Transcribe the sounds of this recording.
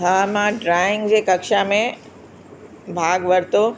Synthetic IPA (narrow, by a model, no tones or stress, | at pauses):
ɦaːmãɖɾaːɪ̃ŋɡd͡ʑeːkɐkʃamẽ | bʱaːɡʋɐɾt̪oː